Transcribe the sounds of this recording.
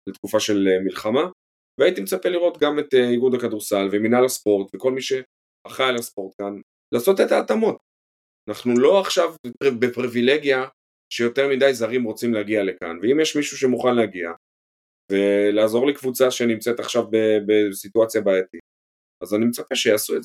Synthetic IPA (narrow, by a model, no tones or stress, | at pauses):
let̪kufaʃe̞lemilχama | veait̪imet͡sapeliʁo̞t̪ɡamet̪iɡud̪akaduʁsalveminalaspo̞ʁt̪veko̞lmiʃe̞ | aχaalaspo̞ʁt̪kan | laːso̞tet̪aːtamo̞t | anaχnulo̞aχʃavbepibepʁivileɡja | ʃe̞jo̞teʁmidajzaʁimʁo̞t͡simleaɡiale̞ka̰nveimjeʃmiʃuʃe̞muχanleaɡia | ve̞laːzo̞ʁlikvut͡saʃenimt͡set̪aχʃavbebesituat͡sjabaet̪i | azanimet͡sapeʃejasueze